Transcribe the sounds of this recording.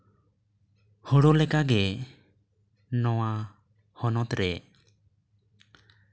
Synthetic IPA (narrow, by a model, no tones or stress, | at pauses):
hɔɽɔlɛkaɡɛ | nɔwa | hɔnɔt̪ɾɛ